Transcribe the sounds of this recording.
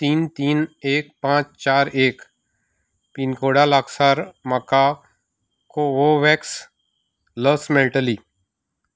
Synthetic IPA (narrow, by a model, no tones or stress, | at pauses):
t̪iːnt̪iːneːk̚pãːt͡ʃt͡ʃaːɾeːk | pinkoːɽalaːksaːɾməka | koʋoʋɛːks | ləsmẽːʈəliː